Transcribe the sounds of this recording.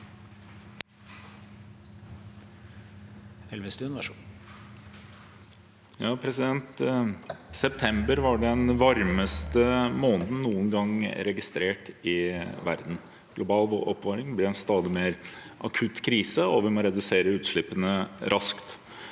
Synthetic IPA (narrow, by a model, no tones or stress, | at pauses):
ɛlʋəst̪ʉnʋæʂ | jɑːpʰɾɛsɪd̪ɛnt̪ | sɛp̚t̪ʰɛmbəɾʋɑɖɛnʋɑɾməst̪əmoːnd̪n̩nuːənɡɑŋɾɛɡɪst̪ɾeːʈɪʋæ̰ɾd̪n̩ | ɡ̥lʊbɑːlʋoʔɔpʋɑːɾɪŋblɪɾɛnst̪ɑːd̪ɪmeːɾʔɑkʰʉt̪kʰɾiːsəɔʋɪmoɾɛd̪ʉseːɾəʉːt̪ʂɭɪpənəɾʔɑskt̪